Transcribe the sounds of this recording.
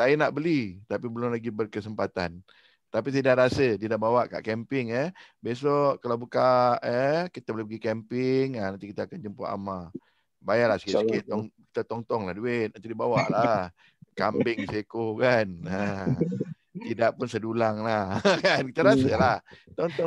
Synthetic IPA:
sajənaʔbəlit̪apibəlʊmlaɡibərkəsəmpat̪a̰n | t̪apis̬aidaɾasədidabawaʔka̰ʔkɛmpɪŋəbes̬ɔʔkalawbukaʔəkit̪abolɪhpəɡikɛmpɪŋanant̪ikit̪aːkand͡ʒəmpa̰ʔa̰ma | bajalahsə̥kitskɪt̪ːɔŋki̥t̪at̪ɔŋt̪ɔŋlahduɪt̪̚nant̪idibawaʔlah | kambɪŋsekokana | t̪idaʔpʊnsədulaŋlahkankit̪aɾasəlaht̪ɔŋt̪ɔ

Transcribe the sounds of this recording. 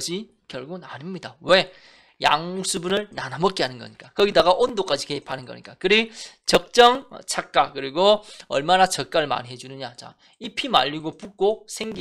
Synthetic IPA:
d͡ʑi | kjʌɭɡunaɲimɲidawe̞ | ja̰ŋsʰubunɯɭnanamʌk͈eɦanɯnɡʌ̰ɲik͈akʌɡidaɡaʔondok͈ad͡ʑike̞ipʰanɯnɡʌ̰ɲik͈akɯɾit͡ɕʌk̚t͡ɕ͈ʌŋ̰t͡ɕʰak̚k͈akɯɾiɡoʌ̰ɭmanat͡ɕʌk͈aɾɯɭma̰nɦe̞d͡ʑunɯɲat͡ɕa̰ | ipʰima̰ʎːiɡopuk̚k͈osʰeŋɡi

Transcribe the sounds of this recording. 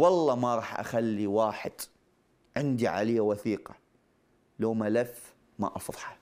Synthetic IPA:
wɑlˤːɑːmaɾˤɑːħʔa̰xalːiwaːħɪ̰d̪̥ | ʕɪnd̪iʕa̰lɪjːawaθiːqɑ̥ | loːmalaf | ma̰ʔɑfðˤɑ̥ħɑ̥

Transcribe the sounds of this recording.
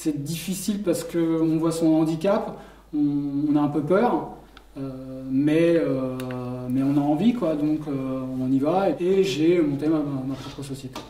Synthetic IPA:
sɛd̪ifisilpaʁsə̥kəɔ̃vwasɔ̃ɑ̃d̪ikʲap | ɔ̃ːnaɛ̃pøpœːʁ | ømɛø | mɛɔ̃naɑ̃vikwad̪ɔ̃køɔ̃nivaeeʒemɔ̃t̪emamapχɔpχəsɔsjet̪e̥

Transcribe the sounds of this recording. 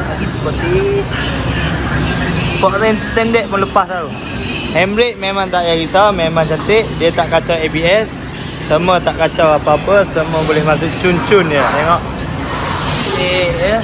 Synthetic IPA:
aɡitupət̪i | pɔʔɾɛnt̪ɛndɛʔ̚mələpasau | hɛmɾɪʔ̚memãŋt̪aʔjaɡisawmemãŋt͡ʃat̪ɪʔ̚diət̪aʔkat͡ʃawebiɛsː | əmət̪aʔkat͡ʃawapaːpəsəməbolɛhmas̬ʊʔt͡ʃunt͡ʃʊnjət̪eŋɔʔ | eʔə

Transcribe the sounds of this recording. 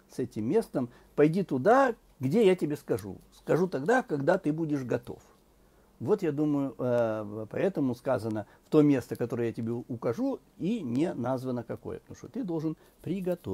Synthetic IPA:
sɛtʲɪmːʲe̞st̪əm | pɐjdʲit̪ʊd̪a | ɡdʲejatʲɪbʲeskɐʐṵskɐʐut̪ɐɡd̪akɐɡd̪at̪ɨbudʲɪʂɡɐt̪o̞̰f | vo̞t̪jad̪uməjʊəpɐ̰ɛt̪əmʊskazənə | ft̪o̞mʲe̞st̪əkɐt̪o̞ɾəjəjatʲɪbʲeʊkɐʐu | inʲenazvənəkɐko̞̰jə̰pət̪ɐmu̥ʂt̪ot̪ɨd̪o̞lˠʐɨn | pɾʲɪɡɐt̪o

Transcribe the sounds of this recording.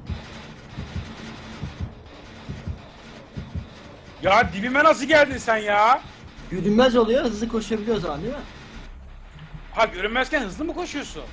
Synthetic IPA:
jaːd̪ibimɛnas̬ɯɟælʲd̪insænjaːɟøɾynmæzo̞lˠujoɛhɯzlˠɯkʰo̞ʃuabilʲijo̞zamand̪emɪ | haɟøɾymmæz̥cænhɯzlˠɯmukʰo̞ʃujosun

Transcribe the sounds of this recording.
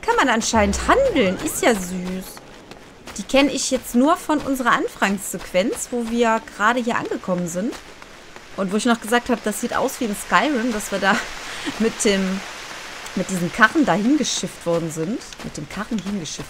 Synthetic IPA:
kʰanmanʔanʃaɪnənthandl̩nʔɪstjaːzyːs | d̥iːkʰɛnəɪçjɛt͡stnuːɐfɔnʔʊ̰nzəʁɐʔanfaŋsz̥ɛkv̥ɛnt͡sv̥oːviːɐɡ̥əʁaːɾəhiːɐʔa̰nɡəkʰɔmənzɪnt | ʔʊntv̥oːɪçnɔχɡ̥əzaːk̚thaːbəd̥asz̥iːtʔa̰ʊsv̥iːɪnskaɪʁʊmd̥asv̥iːɐdaːmɪt̚d̥eːm | mɪt̚d̥iːzəm̩kʰaʁn̩daːhɪnɡəʃɪftv̥ɔɐdn̩zɪnt | mɪt̚d̥eːmkʰaʁn̩hɪnɡəʃɪft

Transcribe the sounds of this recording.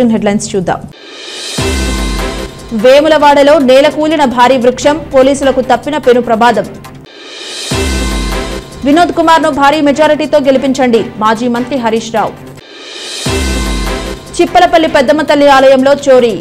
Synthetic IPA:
unɦeɖlɐjnst͡ʃuːd̪ːa̰ːm | ʋeːmulɐʋaːɽɐlo̞ːnɛːlɐkuːlinɐbʱaːɾiːʋɾukʂɐmpo̞ːliːsulɐkut̪ɐpːinɐpe̞nupɾɐbaːd̪ɐm | ʋinoːd̪̚kumaːɾnubʱaːɾiːmed͡ʒaːɾiʈiːt̪o̞ːɡelipiɲt͡ʃɐɳɖimaːd͡ʒiːmɐnt̪ɾiɦɐɾiːʂɾa̰ːw | t͡ʃipːɐlɐpɐlːipɛd̪ːɐmɐt̪ɐlːiaːlɐjɐmlo̞ːt͡ʃo̞ːɾi

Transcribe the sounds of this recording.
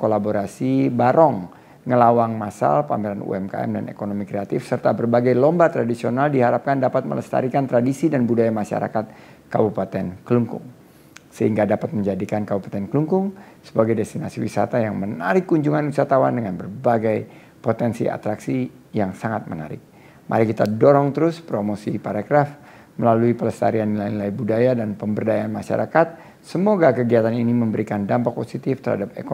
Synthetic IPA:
kolaboɾasibaɾɔŋ | ŋəlawaŋmasa̰lpa̰mɛɾanṵɛmka̰ɛ̰mda̰nḛkonomikɾeat̪ɪfsərt̪abərbaɡajlɔmbat̪ɾadisionaldiɦaɾap̚kandapat̪̚mə̰ləst̪a̰ɾikant̪ɾadisidanbudajamaʃa̰ɾa̰kat̪̚ | kabupat̪ɛnkəluŋkʊ̰ŋ | səhiŋɡadapat̪̚məɲd͡ʒadikankabupat̪ɛnkəluŋkʊŋ | sə̥baɡajdɛst̪inasiwisa̰t̪ajaŋməna̰ɾɪkːuɲd͡ʒuŋanwisat̪awandəŋanbərbaɡaj | pot̪ɛnsḭʔa̰t̪ɾaksi | jaŋsaŋat̪̚məna̰ɾɪ̰k̚ | mʔa̰ɾikit̪adoɾɔŋt̪əɾʊspɾomosipaɾaɡɾaf | məlaluipələst̪a̰ɾianːilajnilajbudajadanpəmbərdajaːnmaʃa̰ɾa̰kat̪̚ | səmoɡakəɡiat̪aniniməmbəɾikandampak̚posit̪ɪft̪ərha̰dap̚ḛko

